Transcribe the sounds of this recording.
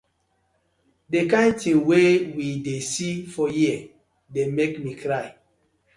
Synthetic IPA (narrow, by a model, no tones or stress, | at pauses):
dekãɪ̃ntĩŋwewidesifɔjiə | demekmikʰɾaɪ